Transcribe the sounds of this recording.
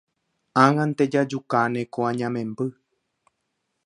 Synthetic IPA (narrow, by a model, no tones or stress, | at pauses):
ãŋãnt̪ed͡ʒad͡ʒukanẽkoãɲãmẽmbɨ